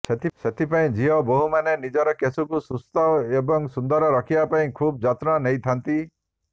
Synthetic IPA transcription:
set̪ʰiset̪ʰipaĩd͡ʒiɦɔboɦumanenid͡ʒɔɾɔkesukusust̪ɔebɔŋsund̪ɔɾɔɾɔkʰibapaĩkʰub̚d͡ʒat̪ɾɔnejt̪ʰant̪i

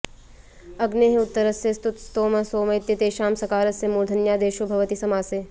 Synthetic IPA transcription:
ɐɡneːɦʊt̪ːəɾɐsjɐst̪ut̪st̪oːmɐsoːmɐjt̪jɐt̪eːʃaːmsɐkaːɾɐsjɐmuːɾd̪ʱɐnjaːd̪eːʃobʱɐʋɐt̪isɐmaːseː

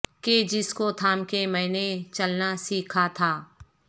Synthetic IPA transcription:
ked͡ʒɪskot̪ʰaːmkemɛ̃ːnet͡ʃɐlnasiːkʰat̪ʰaː

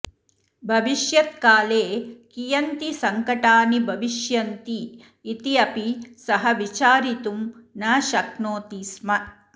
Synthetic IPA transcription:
bʱɐʋiʃjɐt̪̚kaːleːkijɐnt̪isɐŋkɐʈaːnibʱɐʋiʃjɐnt̪iː | t̪iɐpisɐɦɐʋit͡ʃaːɾit̪umnaːʃɐknoːt̪ismɐ

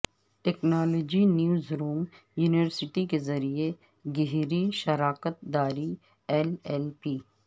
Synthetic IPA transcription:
ʈɛknaːloːd͡ʒinjuːzɾuːm | juːnɪʋəɾsɪʈikezɐɾie | ɡɪɦɾiʃɐɾaːkət̪̚d̪aːɾi | ɛlɛlpiː

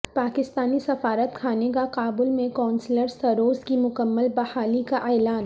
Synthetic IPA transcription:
paːkɪst̪aːnisɐfaːɾət̪kʰaːnekakaːbʊlmẽkãːnsləɾsɐɾoːzkimʊkəmːəlbɐhaːlikaʔɛːlaːn

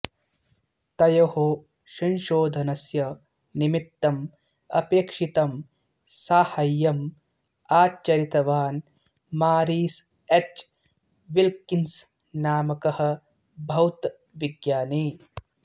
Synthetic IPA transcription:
t̪ɐjɐɦoː | ʃɐnʃoːd̪ʱɐnɐsjɐ | nimit̪ːɐm | ɐ̰peːkʂit̪ɐm | saːhɐjːɐm | aːt͡ʃːɐɾit̪ɐʋaːn | maːɾiːs | et͡ʃ | ʋilkins | naːmɐkɐhɐ̆ | bʱɐwt̪ | ʋiɡjaːniː

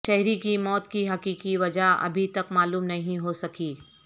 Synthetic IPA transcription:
ʃɛɦɾikimɔːt̪kiɦɐkiːkiʋɐd͡ʒaɐ̰bʱit̪ɐkmaːluːmnɐɦĩɦosɐkiː

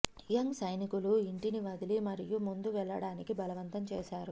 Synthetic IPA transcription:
ijɐŋsɐjnikuluiɳʈiniʋɐd̪ʱilimɐɾijumund̪uʋɛɭːɐ̰ɽaːnikibʱɐlɐʋɐnt̪ɐmt͡ʃɛːʃaːɾu

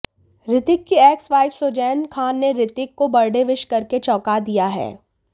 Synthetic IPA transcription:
ɾɪt̪ɪkːiɛːksʋaːɪfsoːd͡ʒɛːnkʰaːnːeɾɪt̪ɪkːobɐɾɖeʋɪʃkɐɾket͡ʃɔːkad̪ijaɦɛ̰ː

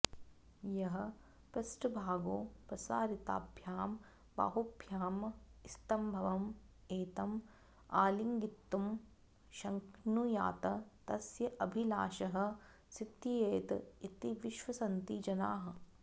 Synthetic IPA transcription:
jɐɦɐ̆ | pɾɐsʈɐbʱaːɡoːpɾɐsaːɾit̪a̰ːbʱjaːm | ba̰ːɦubʱjaːmist̪ɐmbʱɐʋɐm | eːt̪ɐm | aːliŋɡit̪ːum | ʃɐŋknuja̰ːt̪ɐt̪ɐsjɐʔɐbʱilaːʃɐɦɐ̆ | sit̪ːijeːt̪it̪iʋiʃʋɐsɐnt̪id͡ʒɐna̰ːɦɐ̆

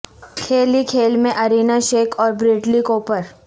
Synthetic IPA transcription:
kʰeːlikʰeːlmẽʔɐɾiːnaʃeːkʰɔːɾbɾɪːʈlikoːpəɾ

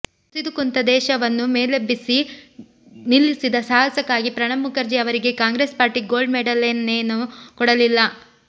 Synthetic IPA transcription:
t̪id̪ukunt̪ɐd̪ɛːʃɐʋɐnːumeːlebisi | nilːisid̪ɐsaːɦɐsɐkːaːɡipɾɐɳɐmːukɐɾd͡ʒiɐʋɐɾiɡe̞kaːŋɡɾeːspaːɾʈiɡo̞ːlɖmeɖɐlenːeːnukɔɽɐlilːɐ

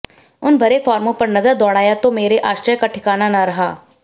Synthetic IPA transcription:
ʊnbʱɐɾefɔːɾmõpɐɾnɐzəɾd̪ɔːɽaːjat̪omeːɾeʔaːʃɾəjkaʈʰɪkaːnanaɾɐɦaː

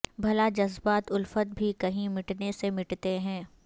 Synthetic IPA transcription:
bʱɐlad͡ʒɐzbaːt̪ʊlfət̪̚bʱikɐɦĩmɪʈnesemɪʈt̪eɦɛ̃ː

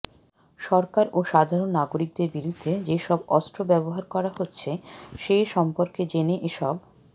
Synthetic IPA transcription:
ʃɔɾkaɾoʃad̪ʱaɾonːaɡoɾik̚d̪eɾbiɾud̪ʱːed͡ʑeʃɔbɔsʈɾobɛboɦaɾkɔɾahotːɕʰeʃeʃɔmpoɾked͡ʑeneʔeʃɔb̚

